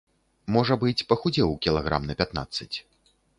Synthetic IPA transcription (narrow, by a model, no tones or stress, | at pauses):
mɔʐɐbɨt͡sʲpɐxud͡zʲɛwkʲilˠaɣɾa̰mnɐpʲat̪na̰t̪sːɐt͡sʲ